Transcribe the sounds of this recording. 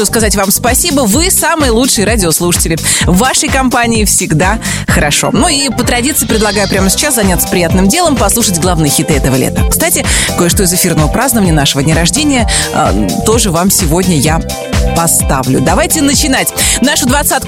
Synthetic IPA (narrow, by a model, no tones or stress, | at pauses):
uskazatʲvamspɐsʲibəvɨsamɨjlˠutʂɨjəɾadʲɪoslˠuʂə̥tʲɪlʲɪvaʂəjkɐmpanʲɪɪfsʲɪɡd̪a | xəɾɐʂo̞̰nuipət̪ɾɐdʲit̪sɨɪpɾʲɪd̪lˠɐɡajʊpɾʲaməsʲɪ̥t͡ɕːaszɐnʲat̪sə̥pɾʲɪjat̪nɨmdʲe̞lˠəmpɐslˠuʂətʲɡlˠavnɨjxʲit̪ɨɛt̪əvəlʲḛt̪əkst̪atʲɪko̞jəʂt̪o̞ɪzɨfʲirnəvəpɾaznəvənʲɪjənaʂəvədʲnʲɪɾɐʐdʲenʲɪjəə̰t̪o̞ʐɨvamsʲɪvo̞dʲnʲəja | pɐst̪avlʲʊ̰d̪ɐvajtʲɪnət͡ɕɪnatʲnaʂʊd̪vɐt̪sat̪